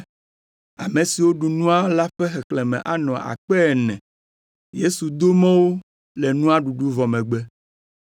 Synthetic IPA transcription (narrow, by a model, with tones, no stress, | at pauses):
a˨mẽ˨si˨wo˦ɖu˨nũ˦a˦la˦ɸɛ˦xɛ˨klɛ˨mɛ̰̃˨ʔa˨nɔ̃˨ʔa̰˨k͡pɛ˦˨nɛ̰̃˨ | je˦su˨d̪o˦mɛ̃˦wo˦ | lɛ˨nũ˦a˦ɖu˨ɖu˦vɔ˨mɛ̃˨ɡ͡bɛ˦